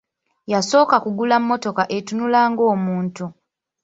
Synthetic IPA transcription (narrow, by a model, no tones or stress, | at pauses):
jaso̞ːkakuɡulamːo̞to̞kaʔe̞tunulaːŋɡo̞ːmuːntu